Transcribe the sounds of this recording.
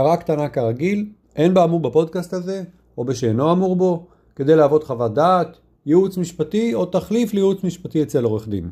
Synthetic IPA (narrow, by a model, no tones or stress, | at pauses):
kaʁakt̪anakaʁaɡil | ʔenbaːmubapo̞d̪̚kast̪aze̞ | o̞beʃeːno̞amuʁbo̞ | ke̞d̪e̞jleaːvo̞d̪χavad̪aːt̪ | jeut͡smiʃpat̪io̞t̪aχliflejeut͡smiʃpat̪iet͡selo̞ʁeχd̪ḭm